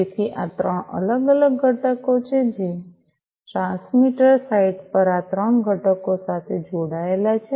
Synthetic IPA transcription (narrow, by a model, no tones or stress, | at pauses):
d͡ʒet̪ʰiʔat̪ɾəɳə̰ləɡələɡːʱəʈəkot͡ʃʰed͡ʒi | ʈɾãnsmiʈəɾsaiɖpəɾat̪ɾəɳɡʱəʈəkosat̪ʰed͡ʒoɽaelat͡ʃʰe